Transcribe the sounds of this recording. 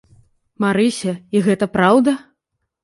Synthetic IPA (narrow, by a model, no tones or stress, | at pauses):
maɾɨsʲɐiɣɛt̪ɐpɾawd̪ɐ